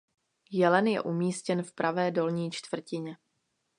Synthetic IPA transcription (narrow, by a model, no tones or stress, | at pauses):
jɛlɛnjɛ̰ʔumiːscɛnfpɾʔavɛːdo̞lɲiːt͡ʃt̪v̥r̩cɪɲɛ